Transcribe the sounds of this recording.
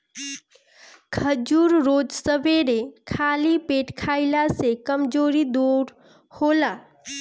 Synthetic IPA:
kʰəd͡ʒuːɾɾoːd͡ʒsəbʱeɾekʰaːlipeːʈkʰaːɪlasekəmd͡ʒoːɾid̪uɾ | hoːla

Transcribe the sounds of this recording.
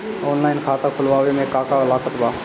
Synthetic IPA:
ɔːnlaːɪnkʰaːt̪ãkʰʊlʋaːʋemẽkaːkaɐlaːkət̪baː

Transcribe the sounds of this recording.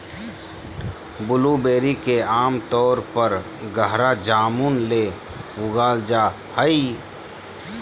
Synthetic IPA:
bʊlubeːɾikeaːmt̪ɔːɾpəɾ | ɡəɦɾad͡ʒaːmunleː | ʊɡaːld͡ʒaː | həi

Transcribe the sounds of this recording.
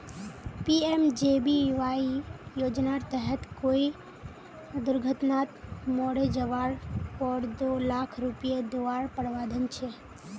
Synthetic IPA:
piemd͡ʒebiʋaijoːd͡ʒnaɾt̪əɦət̪koi | d̪ʊɾɡʱət̪nat̪mɔɽed͡ʒəʋaɾpɔɾd̪olakʰɾupijed̪oaɾpəɽʋad̪ʱənt͡ʃʰe

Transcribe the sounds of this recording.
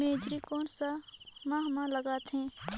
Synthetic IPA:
eːd͡ʒɾikɔːnsamaːɦmãləɡaːt̪ɦẽː

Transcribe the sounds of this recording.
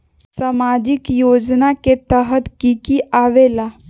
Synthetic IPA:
samad͡ʒikjoːd͡ʒnaket̪əɦət̪kikiaʋela

